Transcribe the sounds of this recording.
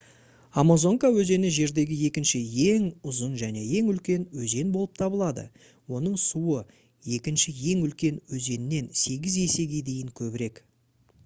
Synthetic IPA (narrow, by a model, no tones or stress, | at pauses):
amazo̞ŋkawɵze̞nɪʒe̞ɾd̪e̞ɡʲɪje̞kʲɪnʃɪje̞ŋʊzənʒæne̞je̞ŋʏlkʲe̞nwɵze̞nbo̞lˠəp̚t̪ʰɑbəlˠɑd̪ə̰ | wo̞n̪əɴsuə | je̞kʲɪnʃɪje̞ŋʏlkʲe̞nwɵze̞nɪne̞nse̞ɡʲɪze̞se̞ɡʲe̞d̪e̞jɪŋkʲʰɵbɪɾe̞k